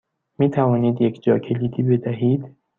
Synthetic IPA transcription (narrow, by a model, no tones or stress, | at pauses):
miːt̪ʰævɒːniːd̪jekʰd͡ʒɒːcʰe̞liːd̪iːbe̞d̪æɦiːd̪̥